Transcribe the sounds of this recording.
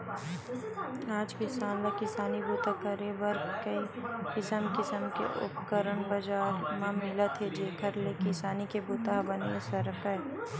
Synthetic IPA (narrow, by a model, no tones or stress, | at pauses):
aːd͡ʒkɪsaːnlakɪsaːnibut̪akɐɾebɐɾkɐikɪsəmkɪsəmkḛʔʊ̰pkəɾəɳbɐd͡ʒaːɾmãmɪlət̪ʰɦed͡ʒeːkʰɐɾlekɪsaːnikebʊt̪abɐnḛsɐɾkɛː